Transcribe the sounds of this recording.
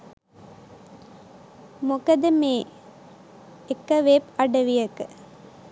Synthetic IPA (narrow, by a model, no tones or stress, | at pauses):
mukɐd̪ɨmeː | ekːɐʋepɐɖɐʋijɐkɨ̥